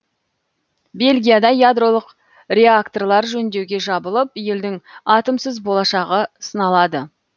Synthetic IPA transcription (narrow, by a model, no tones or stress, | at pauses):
be̞lʲɡʲijad̪ɑjad̪ro̞lˠəq | rʲe̞akt̪o̞rlˠɑɾʒɵnd̪ewɡʲe̞ʒɑbəlˠəp̚je̞ld̪ɪŋɑt̪əmsəzbo̞lˠɑʃɑʁəsənɑlˠɑd̪ə